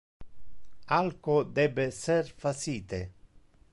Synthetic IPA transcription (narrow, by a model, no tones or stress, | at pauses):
alkod̪ɛbːeserfasiːt̪e